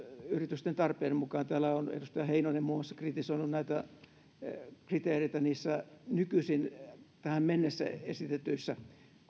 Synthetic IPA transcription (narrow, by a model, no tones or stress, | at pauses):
yrit̪yst̪ent̪ɑrpeːemukɑːnt̪æːlæonḛdust̪ɑjɑheinonemmuːmɑsːɑ̥krit̪isoinunnæit̪æ | krit̪eːreit̪æniːsːænykysint̪æhæmmenːesːæ̰esit̪et̪yisːæ